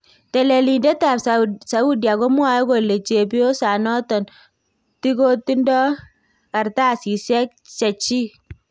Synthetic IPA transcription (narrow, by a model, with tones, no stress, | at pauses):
te˨le˨li˨nde˦ta˨pssa˨u˦dja˨ko˦mwa˦jɔ˦ko˨le˨t͡ʃe˨bi˦o˦sa˨nɔ˦tɔ˨n | ti˦ko˦ti˦ndɔ˦ | ka˨ɾta˦˨si˨sɛ˦k̚ | t͡ʃɛ˨t͡ʃi˦